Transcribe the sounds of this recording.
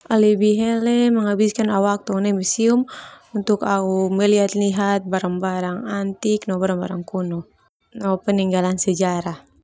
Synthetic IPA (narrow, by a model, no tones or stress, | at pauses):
ʔalibiɦɛlɛməŋabiskanawak̚t̪unɛmisium | unt̪ukaumɛliɦat̪liɦat̪̚baɾaŋbaɾaŋant̪iknɔbaɾaŋba̰ɾaŋkunu | nɔpɛniŋɡalansɛd͡ʒaɾah